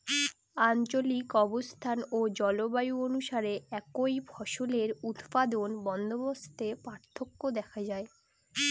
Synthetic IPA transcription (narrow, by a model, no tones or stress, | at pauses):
aɲt͡ɕolikɔbost̪ʰanod͡ʑɔlobajuonuʃaɾeɛkojbʱɔʃoleɾut̪pad̪onbɔnd̪ʱobost̪ʰepaɾt̪ʰːokːod̪ɛkʰad͡ʑae